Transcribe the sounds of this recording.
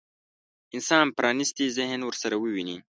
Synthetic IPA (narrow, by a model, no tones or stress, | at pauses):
ɪnsɑnpɾɑnist̪izɪhnwəɾsaɾawəwini